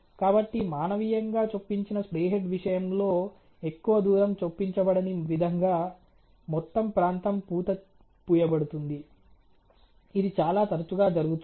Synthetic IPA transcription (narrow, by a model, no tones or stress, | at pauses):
kaːbɐʈːimaːnɐʋijɐŋɡaːt͡ʃopːiɲt͡ʃinɐspɾeːɦeɖʋiʂɐjɐmlo̞ː | e̞kːuʋɐd̪uːɾɐmt͡ʃopːiɲt͡ʃɐbɐɽɐniʋid̪ʱɐŋɡaː | mɔt̪ːɐmpɾaːnt̪ɐmpuːt̪ɐ | puːjɐbɐɽut̪und̪i | id̪it͡ʃaːlaːt̪ɐɾɐt͡ʃuɡaːd͡ʒɐɾuɡut̪u